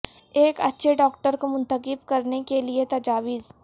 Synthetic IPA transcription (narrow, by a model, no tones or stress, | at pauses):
eːkɐtːʃʰeɖɔːk̚ʈəɾkomʊ̃nt̪əqɪbkɐɾnekeliet̪ɐd͡ʒaːʋiːz